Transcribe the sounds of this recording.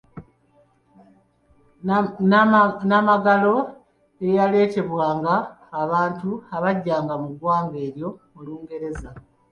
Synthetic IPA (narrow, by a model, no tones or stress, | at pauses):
namaɡalo̞ | ejale̞ːte̞βwaːŋɡaː | βaːntuaβaɟːaːŋɡamuɡwaːŋɡe̞ːɾjo̞ː | luːŋɡe̞ɾe̞za